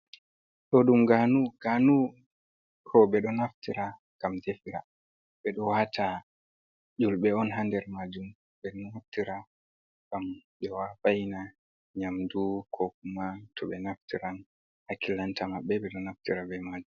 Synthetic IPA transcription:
ɗɔɗumɡanuɡ̥anu | ɾɔɓɛɗɔnaftiɾa | ɡ̥amdefiɾa | ɓɛɗɔwatʰa | d͡ʒulɓɛɔnɦandɛɾmad͡ʒum | ɓɛɗɔnaftiɾa | ɡ̥amɓɛwafajna | ɲamdukʰɔk̚umatʰɔɓɛnaftiɾan | hakʰilantamaɓːɛɓɛɗɔnaftiɾabɛmad͡ʒum

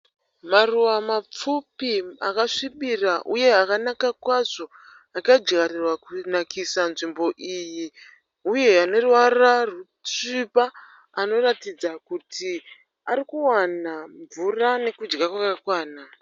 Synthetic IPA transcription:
maruwamap͡fupia̰kaʂiɓiraʔuje̞akanakakwaʐo̞ | akad͡ʒarirwakunakisanʐimbo̞ʔiːji | uje̞ane̞ruararu | t͡sipaː | no̞ratid͡zakutʰi | aɾikuwanaɱvurane̞kud͡ʒɡakwakakwaːna

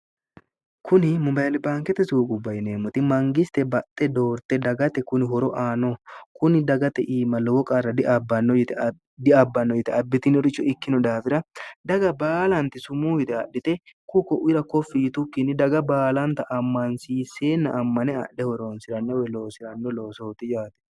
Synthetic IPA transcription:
kʊnɪmʊbɐjlbaːŋkɛt̪ɛsuːkʼʊbɐjɪneːmːʊt̪ɪmɐŋɡɪst̪ɛbɐt̪ʼːɛd̪o̞ːɾt̪ɛd̪ɐɡɐt̪ɛkʊnɪɦɔɾɔʔaːnɔkʊnɪd̪ɐɡɐt̪ɛʔiːmɐlɔwɔkʼarːɐd̪ɪʔabːɐnːɔjɪt̪ɛ | d̪ɪɐbːɐnːɔjɪt̪ɛɐbːɪt̪ɪnɔɾɪt͡ʃːɔʔɪkːɪnɔd̪aːfɪɾɐd̪ɐɡɐbaːlɐnt̪ɪsʊmuːjɪt̪ɛɐɗːɪt̪ɛ | kʊkɔʔɪɾɐkɔfːit̪ʊkːɪnːɪd̪ɐɡɐbaːlɐnt̪ɐʔɐmːɐnsiːseːnːɐ̰ʔːmːɐnɛɐ̰ᶑɛhɔɾoːnsɪɾɐnːɔwɛlo̞ːsɪɾɐnːɔlo̞ːsoːt̪ɪd͡ʒaːt̪ɛ̥

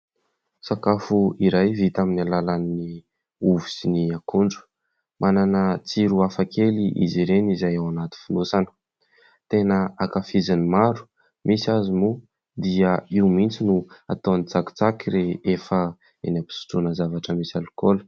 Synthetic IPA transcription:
sakafuiɾajvit̪aminalalanːi | uvusiniakʰuɳɖ͡ʐu̥ | mʔananət͡siɾuafakʰeliʔḭziɾenizajawanat̪i̥finosanə̥ | t̪enəakafizinimaɾu̥ | mʔisiazimu | d̪iəiwmint͡sinua̰t̪onit͡saku̥t͡sakireefə | enapi̥su̥t͡sunəzavaʈ͡ʂəmisalkolə̥

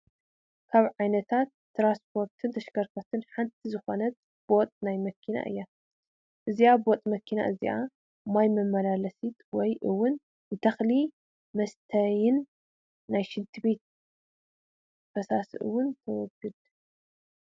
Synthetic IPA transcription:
kʰaβʕajnɐt̪ʰat̪ːɾanspʰo̞ɾt̪ʰɨnt̪ʰɐʃkɐɾkʰɐt̪ʰɨnħant̪ʰizɨxo̞nɐt̪̚ | b̥ot̪ʼnajmɐkʰina̰ʔɨ̰jːa | ʔɨziabot̪ʼmɐkʰina̰ʔɨziʔa | majmɐmːɐlalɐsit̪wɔjʔɨwʊn | nɨt̪ʰɐxli | mɐst̪ʰɐjɪnː | ajʃɨd̪ʰɨbe̞t̪̚ | fɐsasɨ̰ʔɨ̰wʊnt̪ʰɐwɔɡɨd̪

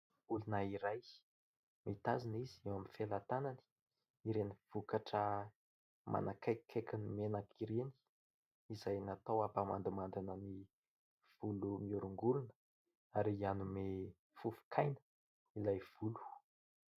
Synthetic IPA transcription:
ulunaiɾaj | mit̪aziniziewaminfelat̪anani̥ | iɾeniv̥ukaʈ͡ʂə | ma̰nakajkʰːajkanumenakʰiɾeni̥ | izajnat̪awapama̰nd̪imand̪inəni | v̥ulumiuɾuŋɡulunə̥ | aɾiianume | fufu̥kʰajnə̥ | ilajv̥ulu̥

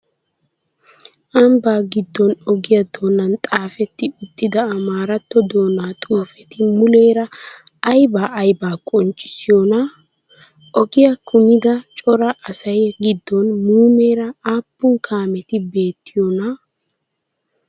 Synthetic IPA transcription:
ʔɐmbaːɡɪd̪ːɔnɔɡɪjɐd̪oːnɐnt̪ʼaːfɛt̪ːɪʊt̪ːɪd̪ɐːmaːɾɐt̪ːɔd̪o̞ːnaːt̪ʼuːfɛt̪ɪmʊle̞ːɾɐ | ɐjbaːʔɐjbaːkʼɔnt͡ʃʼɪ̥sɪjɔnɐ | ʔɔɡɪjɐkʰʊmɪd̪ɐt͡ʃʼɔɾɐʔɐsɐjɡɪd̪ːɔnmuːmeːɾɐaːpːʊŋkʰaːmɛt̪ɪbe̞ːt̪ːɪjɔnɐ

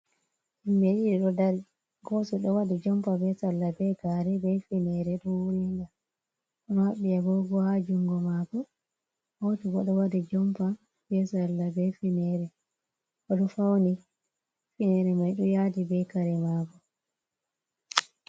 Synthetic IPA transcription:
ʔimːɛiɗɗɔdal | ɡɔsɔɗɔwadid͡ʒɔmpabɛsalːabɛɡaɾɛbɛfinɛɾɛɗumwuɾiŋda | ɔmaɓːijaɡɔɡɔhad͡ʒuŋɡɔmakɔ | hɔtɔɡɔɗɔwadid͡ʒɔmpa | b̥ɛsalːabɛfinɛɾɛ | kɔɗɔfawni | finɛɾɛmajɗɔjadibɛkaɾɛmaːkɔ

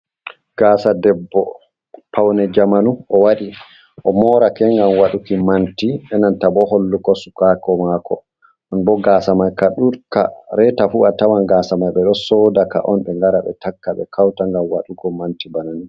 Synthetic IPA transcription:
ɡ̥asadɛbːɔ | pʰawnɛd͡ʒamanuʔɔwaɗi | ʔɔmɔːɾakɛŋɡamwaɗukimantiɛnantabɔholːukɔsukakɔmakɔ̰ | ɔnbɔɡasamajkaɗuɾka̰ɾɛtafuatawanɡasamajɓɛɗɔsɔdaka̰ʔɔnɓɛŋɡaɾaɓɛ̰takːaɓɛ̰kʰawtaŋɡamwaɗukɔmantibanani

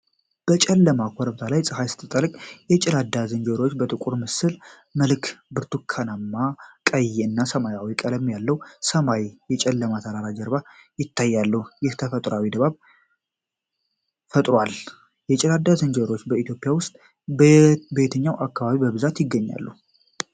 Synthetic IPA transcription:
b̥ət͡ʃʼɛlːəmakʷʰɔɾəβt̪ʰalajsʼɨhajsɨ̥t̪ʰʼːət̪ʼəlkʼjɛt͡ʃʼɪlad̪azənd͡ʒəɾo̞t͡ʃːbət̪ʼɨkʷʼuɾmɨsɨl | məlkʰbɨɾt̪ʰukʰanamːakʼəjːɛɨnːasəmajawikʼələmjalːəwsəmawjɛt͡ʃʼɛlːəmat̪ʰaɾaɾad͡ʒəɾbajɪt̪ʰːajːalːəhujɪht̪ʰəfət̪ʼɾawid̪əβaβ | fət̪ʼɾwal | jɛt͡ʃʼɪlad̪ːazənd͡ʒəɾo̞t͡ʃːbəit̪jo̞pʼjawʊst̪ʼ | bet̪ʰəɲːawʔakːaβaβibəβɨzat̪jɪɡːəɲːa̰lːu

